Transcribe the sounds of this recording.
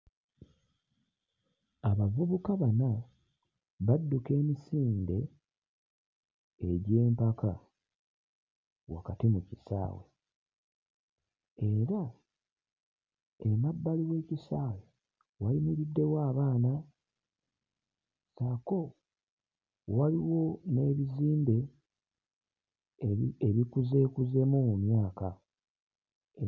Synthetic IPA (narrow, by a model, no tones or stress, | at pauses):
aβavuβukaβana | βadːuke̞ːmisiːnde̞ | ɟe̞ːmpakʰa | wa̰katimucisa̰ːwe̞̰ | e̞ɾa | emabːaliwe̞ːcisaːwe | walimuβidːe̞waːβaːna | sako̞ | waliwo̞ne̞ːβiziːmbe̞ | eβikuze̞ːkuze̞moːmumjaːka | e